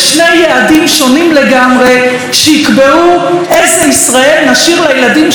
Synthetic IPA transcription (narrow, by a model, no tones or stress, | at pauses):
ʃnejeadimʃo̞nimle̞ɡamʁe̞ | ʃehikbeu | ezeisʁae̞lnaʃiʁlajeladim